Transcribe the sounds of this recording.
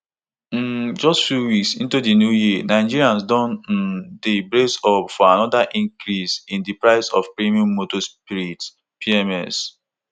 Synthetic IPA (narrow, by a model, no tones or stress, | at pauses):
m̩d͡ʒɔstfjuwiksĩntudinjujinaɪd͡ʒiɾiãnsdɔ̃n̩debɾesɔpfɔanɔdaʔĩŋkɾisĩndipɹaɪsɔ̰fpɹimiɔ̃mːotɔspiɹit | piɛmɛs